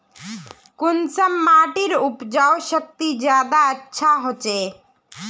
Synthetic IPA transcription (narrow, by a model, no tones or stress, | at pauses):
kunsamːaʈiɾupd͡ʑaoʃək̚t̪id͡ʑad̪aətːɕʃʰaɦot͡ɕe